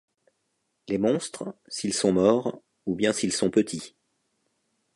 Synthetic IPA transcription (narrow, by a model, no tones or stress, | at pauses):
lemɔ̃st̪χsilsɔ̃mɔːʁ | ubjɛ̃silsɔ̃pət̪ʰi